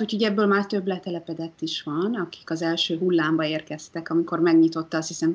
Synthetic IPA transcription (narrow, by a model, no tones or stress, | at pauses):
ucʰho̞ɟɛbːøːlmaːrt̪ø̞blɛt̪ɛlɛpɛd̪ɛt̪ːiʃʋɒnɒki̥kɒzɛlʃøːɦulːaːmbɒeːrkɛst̪ɛkɒmiko̞rmɛɡɲit̪o̞t̪ːɒst̪hisɛm